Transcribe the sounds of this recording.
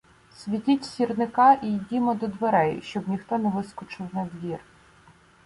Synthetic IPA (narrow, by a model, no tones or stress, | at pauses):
sʲʋʲitʲitʲsʲirnɪkɑʔijdʲimɔd̪ɔd̪ʋeɾɛjʊ̰ʃt͡ʃɔbnʲixt̪ɔnɛʋɪskɔt͡ʃɪwnɐd̪ʋʲir